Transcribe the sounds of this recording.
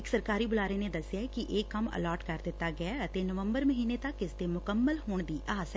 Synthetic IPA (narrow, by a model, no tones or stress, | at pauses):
ɪksəɾkaːɾibʊlaːɾened̪ɐsːjakiʔeːkɐmə̰lɔːɾʈkɐɾd̪ɪt̪ːaɡɐaɐt̪enəʋə̃mbəɾməɦiːnet̪ɐkːɪst̪emʊkəmːəlɦoːɳ̃d̪iːʔaːsɛ